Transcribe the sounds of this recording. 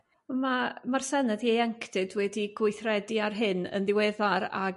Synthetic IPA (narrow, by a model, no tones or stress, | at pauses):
mamarsɛnəðiejɛŋkʰd̥ɨdwɛdiɡwʊɨθrɛdiarɦɪnə̰nðɪwɛːðaɾa̰